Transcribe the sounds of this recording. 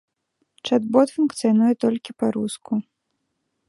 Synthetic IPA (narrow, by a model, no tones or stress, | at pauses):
t͡ʂad̪bɔt̪funkt̪sɨjanujɛt̪ɔlʲkʲipaɾusku